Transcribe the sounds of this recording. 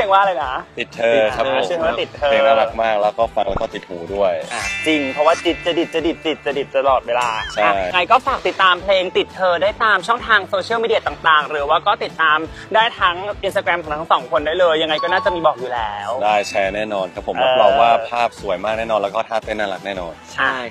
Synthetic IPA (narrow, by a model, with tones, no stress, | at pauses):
waː˥˩laː˧jna˦˥t̪i˨˩t̪ʰːɤː˧a˦˥˨a˥t̪i˨˩t̪ʰːɤː˧e˧naː˥˩la˦k̚maː˥˩k̚lɛː˦˥kɔː˥˩fa˧ŋlɛ˦˥kɔː˥˩t̪i˨˩huː˩˦du˥˩əja˧˩t͡ɕi˧ŋpʰɔ˧˥waː˥˩t͡ɕi˨˩t̪̚t͡ɕa˨˩di˨˩t̪̚t͡ɕa˨˩di˨˩t̪̚t͡ɕːi˨˩t̪̚t͡ɕa˨˩di˨˩t̪̚ːa˧lɔː˨˩t̪̚weː˧laː˧t͡ɕʰaa˥˩˥ja˧ŋa˧jkɔː˥˩faː˨˩k̚t̪i˨˩t̪ːaː˧mpʰleː˧ŋt̪i˨˩t̪ʰːɤː˧daː˥˩jt̪aː˧mt͡ɕʰɔ˥˩ŋt̪ʰaː˧ŋsoː˧t͡ɕʰi˥˩miː˧di˧a˧t̪a˨˩ŋt̪aː˨˩ŋɾɯː˩˦waː˥˩kɔː˥˩t̪i˨˩t̪ːaː˧m | daː˥˩jt̪ʰa˦˥ŋʔi˧nst̪aː˧kɾɛ˧mkɔː˨˩˦ŋt̪ʰa˦˥ŋsɔː˩˦ŋkʰo˧ndaː˥˩jlɤː˧jːa˧ŋːa˧jkɔː˥˩naː˥˩t͡ɕa˨˩miː˧bɔː˨˩k̚juː˨˩lɛː˦˥wdaː˥˩jt͡ɕʰɛː˧˥nɛː˥˩nɔː˧nkʰa˦˥pʰːo˩˦ʔmaː˧˥˩la˧˩waː˥˩pʰaː˥˩p̚su˨˩˦əjmaː˥˩k̚nɛː˥˩nɔː˧lɛ˦˥wkɔː˥˩t̪ʰaː˥˩t̪e˥˩nːaː˥˩la˦˥k̚nɛː˥˩nɔː˧t͡ɕʰa˥˩˥j